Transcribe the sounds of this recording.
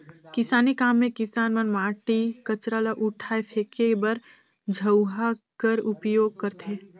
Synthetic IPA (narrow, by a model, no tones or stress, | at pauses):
kɪsaːnikaːmːẽkɪsaːnmənmaːʈikət͡ʃɾalaʔʊʈʰaːepʰeːkebəɾ | d͡ʒʱəwɦakəɾʊpjoːɡ̚kəɾt̪ʰeː